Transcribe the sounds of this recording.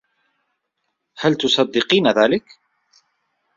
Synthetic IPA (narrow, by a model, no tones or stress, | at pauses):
halt̪ʊsˤɑd̪ːɪqiːnaðaːlɪk